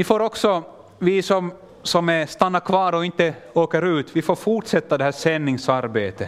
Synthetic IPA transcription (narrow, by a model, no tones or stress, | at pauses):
vɪfoːɾɔksɔ | vɪsɔm | sɔmɛst̪anːaɾkʰvɑːɾɔɪnt̪ːəoːkəɾʉ̟ːt̪vɪfoːɾfuʈʂɛt̪ːad̪ɛhæːʂɛnːɪŋsaɾbeːt̪ə